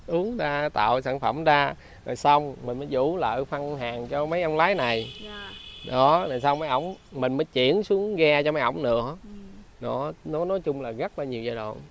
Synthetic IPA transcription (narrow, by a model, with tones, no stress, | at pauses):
ʔu˨˦əŋzaː˧t̪a̰ː˧˨wsaː˧˩nfə˧˩mzaː˧ | za̰˨˩jsa˧wŋ͡mmï̟˨˩məː˨˦jzu˧˩lə̰ː˧˨jfa˧ŋɦaː˨˩ŋt͡ɕɔ˧mə˨˦jʔə˧wŋ͡mlaː˨˦jna˨˩j | ɗɔ˨˦na˨˩jsa˧wma˨˦jʔə˧˩wŋ͡mmï̟˨˩məː˨˦jt͡ɕḭ˧˩ənsu˨˦əŋɣɛ˧t͡ɕɔ˧ma˨˦jʔə̰˧˩wŋ͡mnɨ̰˧˥əɗɔ˨˦nɔ˨˦nɔ˨˦jt͡ɕʊ˧ŋ͡mlaː˨˩ɣə˦˥t̚laː˨˩ɲi˨˩əwzaː˧jɗo̰˧˨n